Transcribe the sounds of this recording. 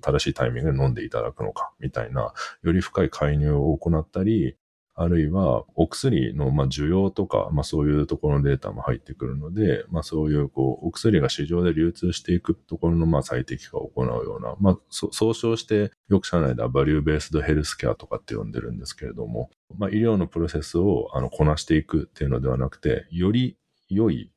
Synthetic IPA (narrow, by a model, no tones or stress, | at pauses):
t̪ad̪aɕiːt̪aimʲĩŋɡɯd̪enõ̞nd̪e̞it̪ad̪a̰kɯ̟no̞̰kḁmʲit̪aina̰jo̞ɾʲiɸɯ̟̥kaikʰaiɲ̟ɨːoːko̞nat̪ːaɾʲi | aɾɯ̟iβaokɯ̟̥sɨɾʲḭno̞maːʑɨjo̞ːt̪o̞ka̰maso̞ːjɯ̟ːt̪o̞ko̞ɾonod̪e̞ːt̪a̰mo̞haḭt̪ːe̞kɯ̟ɾɯ̟no̞d̪e̞maso̞ːjɯ̟ːko̞ːokɯ̟sɨɾʲiɡaɕiʑo̞ːd̪e̞ɾʲɨːt͡sɨːɕi̥t̪e̞ikɯ̟t̪o̞ko̞ɾo̞no̞masait̪e̞kʲi̥ɡ̥a̰o̞̰ko̞na̰ɯ̟jo̞̰ːna̰masoso̞ːɕo̞ːɕi̥t̪e̞ | jo̞kɯ̟̥ɕanaid̪a̰baɾʲɯːbe̞ːsɨd̪o̞he̞ɾɯ̟sɨ̥kʲea̰t̪o̞̥kat̪ːe̞jõ̞̰nd̪e̞̰ɾɯ̟̃nd̪e̞sɨ̥ke̞ɾe̞̰d̪o̞̰mo̞̰ | maʔiɾʲjo̞ːno̞pɯ̟ɾo̞se̞sɨo̞a̰no̞kʰo̞naɕi̥t̪e̞ikɯ̟t̪ːe̞iɯ̟no̞d̪e̞β̞anakɯ̟̥t̪e̞̰jo̞ɾʲi | jo̞i